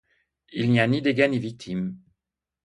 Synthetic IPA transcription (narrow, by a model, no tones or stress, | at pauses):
ilnianid̪eɡanivik̚t̪ʰim